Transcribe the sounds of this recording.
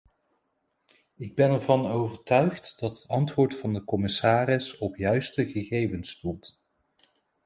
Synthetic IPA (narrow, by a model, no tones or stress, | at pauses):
ɪɡ̚bɛnɛɹvɑnowvəɹtœɥχtdɑtɦətɑntʋʊːɹtfɑndəkɔmɪsaːɾɪsɔpjœɥstəχəχejvənstult